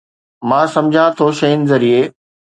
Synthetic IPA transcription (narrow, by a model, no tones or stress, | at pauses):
mãːsɐ̃md͡ʑʱãt̪ʰoʃɐɪnɪ̆zɐɾieː